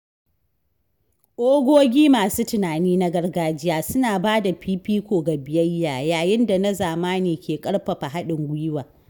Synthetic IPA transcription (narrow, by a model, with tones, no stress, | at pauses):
ʔʷʼoː˦ɡʷoː˦ɡʲiː˦maː˨suː˦tʊ˨naː˨niː˦na˦ɡɐ˦rɡaː˦d͡ʒɪ˦jaː˦sʊ˦naː˨baː˦da˨piː˦piː˦kʷoː˨ɡa˨bɪ˨jɐ˦jːaː˨jaː˨jɪ˦nda˨nɐ˦zaː˨maː˦neː˨kʲeː˨kʼɐ˦ɽɸɐ˨ɸa˨ɦa˦ɗɪ˨ŋɡʷʊ˦jɪ˦waː˨